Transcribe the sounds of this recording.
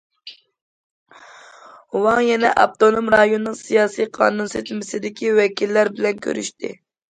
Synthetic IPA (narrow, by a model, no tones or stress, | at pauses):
wɑŋjɛnɛ̰ʔɑ̰pt̪onomɾɑjonːɨŋsijɑːsijqʰɑ̰ːnunset̪ʰmɪsɪd̪ɪkʲiwɛkʲilːæɾbɪlɛnkʲʰø̰ɾy̰ʃt̪ɪ̰